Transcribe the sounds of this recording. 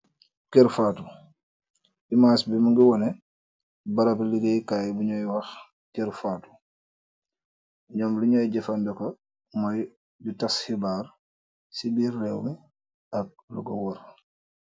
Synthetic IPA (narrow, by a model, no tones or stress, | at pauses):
kɛɾfaːtu | bimasbimuŋɡiwɔnɛ | baɾɐpiliɡejkajbuɲɔjwɐx | kɛɾfaːtu̥ | ɲɔmliɲɔjɟɛfandɔkɐ | mɔj | bitashibaːɾ | sibiːrːɛwmi | ɐk̚lṵɡɔwɔɾ